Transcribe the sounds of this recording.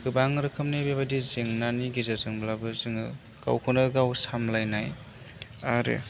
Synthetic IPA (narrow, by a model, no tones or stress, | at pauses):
ɡɯbaŋɾɯkʰɯmnajbebadizeŋnaniɡizazɯŋblabɯzɯŋɯ | ɡ̥a̰wkʰɯnɯɡawsamlajnaj | aɾḛ